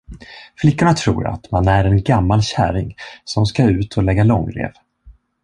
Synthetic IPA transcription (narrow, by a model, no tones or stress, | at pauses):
flɪkːʊɳat̪ʰɾṵːɾa̰t̪manæɾɛnɡamːalɕæ̰ːɾɪŋsɔmskaʉ̟ːt̪ʰɔlɛɡːalɔŋːlḛːv